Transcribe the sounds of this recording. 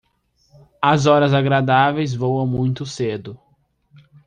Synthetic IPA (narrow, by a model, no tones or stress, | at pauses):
ɐzɔɾɐzaɡɾad̪avejzvowɐ̃w̃mũj̃t̪ʊsed̪ʊ